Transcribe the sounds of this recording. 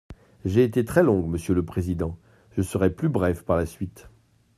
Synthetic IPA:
ʒeːt̪et̪χɛlɔ̃ɡməsjələpχezid̪ɑ̃ | ʒ̥əsəʁɛplybʁɛfpaʁlasɥit̪

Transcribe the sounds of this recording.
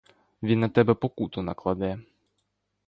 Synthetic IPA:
ʋʲinːɐt̪ɛbɛpɔkut̪ʊnɐklˠɐd̪ɛjɛ

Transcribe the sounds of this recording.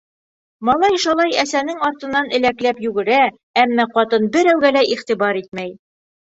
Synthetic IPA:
mɒlˠɑjʃɑlˠɑjæsænɘŋɒɾt̪ɤ̆nːɑnɘ̆læklæpjʉɡɘ̆ɾæ | æmːæqɒt̪ɤnbɘɾæwɡælæʔiχt̪ibɑɾit̪̚mæj

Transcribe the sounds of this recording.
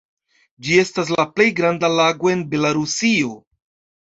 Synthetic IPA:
d͡ʒie̞stas̬laple̞jɡɾandalaɡo̞e̞nbe̞laɾusio̞

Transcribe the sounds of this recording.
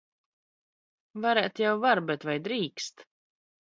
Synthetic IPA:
vaɾɛːt̪jawvaɾbɛt̪vajd̪ɾiːkst̪

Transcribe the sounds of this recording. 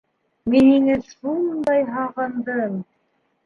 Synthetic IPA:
miniŋɘsund̪ɑjɦɑʁɤ̆nd̪ɤm

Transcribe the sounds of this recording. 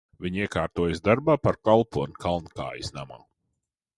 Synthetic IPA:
vʲiɲiɛkaːɾt̪uɔjəsd̪aɾbaːpaɾkalˠpuɔnkʰalˠnka̰ːjisnama̰ː

